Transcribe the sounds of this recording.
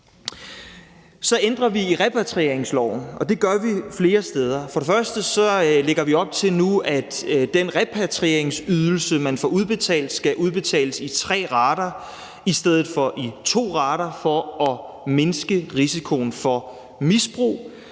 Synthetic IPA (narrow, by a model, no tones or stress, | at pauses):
sɒ̽end̥ʁɐʋiiʁɛpʰæt͡sʰʁiḛɐ̰eŋslɒʊ̰n̩ʔɒ̽d̥e̝ɡ̥ɶɐʋifle̝ːɐsd̥eð̞ˠɐfɒ̽ɾefɶɐsd̥əsɒ̽le̝ɡ̥ɐʋiɒ̽b̥̚t͡sʰe̝lnuæd̥d̥en̰ʁɛpʰæt͡sʰʁieɐ̰eŋsyð̞ˠl̩səmænfɒʔuð̞ˠb̥e̝t͡sʰɛ̰ːld̥sɡ̥æʔuð̞ˠb̥e̝t͡sʰɛ̰ːləsit͡sʰʁɛ̰ːʁɑ̈ːɾɐ | isd̥eð̞̰ˠð̩ˠfɒ̽ʔit͡sʰo̝̰ːʁɑ̈ːɾɐfɒ̽ɒ̽ | me̝nsɡ̥əʁisikʰo̝ːn̩fɒ̽ | misb̥ʁṵː